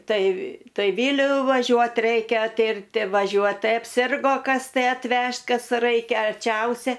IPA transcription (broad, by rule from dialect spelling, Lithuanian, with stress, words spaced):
ˈtɐɪ ˈtɐɪ ˈʋʲiːlʲʊ ʋɐˈʒʲuɔt ˈrʲɛɪkʲɛ ˈtʲɪrʲtʲɪ ʋɐˈʒʲuɔt ˈtɐɪ ɐpʲˈsʲɪrɡoː ˈkɐs tɐɪ ɐtʲˈʋʲɛʃt ˈkɐs ˈrɐɪkʲɛ ɐrʲˈt͡ʃʲɛʊsʲɛ